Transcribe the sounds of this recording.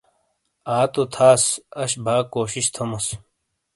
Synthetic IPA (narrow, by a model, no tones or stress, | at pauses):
aːt̪ot̪ʰaːsɐɕbʱaːkoːɕiɕt̪ʰɐmɐs